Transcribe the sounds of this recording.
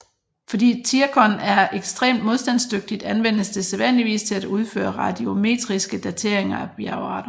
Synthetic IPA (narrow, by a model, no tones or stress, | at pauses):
fɒ̽dḭːt͡sʰiɐkʰɒnæɐeɡ̥sd̥ʁḛːmd̥mo̝ðˠsd̥ænsd̥øɡ̥̚d̥id̥ænʋen̰əsd̥ʰe̝seðˠʋæn̰liʋḭːst͡sʰe̝læd̥uð̞ˠfø̰ːɐʁɑ̈d̥io̝me̝̰ːd̥ʁisɡ̥əd̥æt͡sʰe̝ɐe̝ŋɐæb̥jæʊɑ̰̈ːɾ̥ɐ